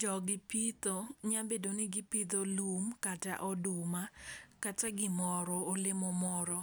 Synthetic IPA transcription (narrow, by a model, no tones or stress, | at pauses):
d͡ʒɔɡɪpit̪oɲabedonɪɡɪpit̪olumkata̰ʔɔdumakataɡɪmɔɾɔolɪmomɔɾɔ